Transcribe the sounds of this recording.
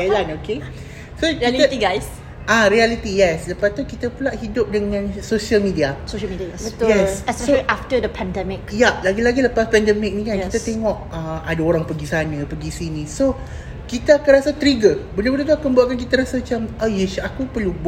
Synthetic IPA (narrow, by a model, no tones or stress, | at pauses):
elanoke | sokiliətiɡajs | aɾialit̪ijɛsləpat̪ukit̪əpəlaʔhidʊp̚dəŋãnsoʃəlmidiasoʃəmidət̪jɛssʔaftədəpʰɛ̃ndɛmɪkjalaɡilaɡiləpaspɛndɛmɪk̚nĩkankiit̪at̪eŋɔʔaadaoɾaŋpəɡisanəpəɡisinĩso | kit̪əakanrasat̪ɾiɡəbələbələt̪uakanbuaʔkank̬it̪əɾasamat͡ʃamajɛsakupərlub